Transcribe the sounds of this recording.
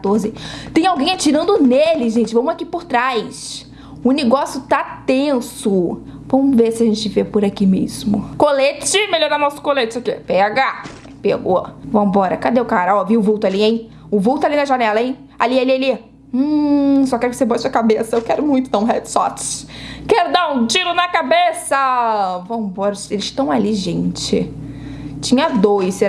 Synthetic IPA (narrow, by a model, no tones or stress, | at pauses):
at̪oɾzɪt̪ẽj̃awɡẽj̃at͡ʃiɾɐ̃nd̪ʊnelɪʒẽnt͡ʃɪvɐ̃mʊakipʊɾt̪ɾajs | ʊneɡɔsijʊt̪at̪ẽsʊ | vɐ̃mʊvesɪaʒẽnt͡ʃɪvepʊɾakimḛzmʊkolet͡ʃɪmelɔɾd̪anɔwsʊ̥kolet͡ʃɪsekepɛɡa | peɡoɔvɐ̃mʊbɔɾɐkad̪eʊkaɾɐɔviʊvuwt̪ʊaliẽj̃ | ʊvuwt̪ʊalinɐʒanɛlɐẽj̃ | alialialĩ | sɔkɛɾʊkɪ̥seboɐsuɐkabesɐewkɛɾʊmũj̃t̪ʊd̪ɐ̃ũɦɛd͡ʒsɔt͡ʃkɛɾʊd̪ãũt͡ʃiɾʊnɐkabesɐvɐ̃mʊbɔɾɐselɪʃt̪ɐ̃w̃aliʒẽnt͡ʃɪ | t͡ʃĩɲɐd̪ojse